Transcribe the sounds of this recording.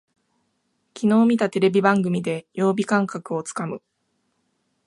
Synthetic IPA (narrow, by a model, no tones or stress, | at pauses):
kʲino̞ːmʲit̪at̪e̞ɾe̞bʲibãŋɡɯ̟mʲid̪e̞jo̞ːbʲikãŋkakɯ̟o̞t͡sɨ̥kamɯ̟